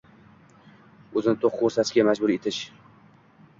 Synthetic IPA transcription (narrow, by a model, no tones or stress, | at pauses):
ɵzɪnɪt̪ʰoqːoɾsasɡʲamad͡ʒbʊɾe̞t̪ʰɪʃ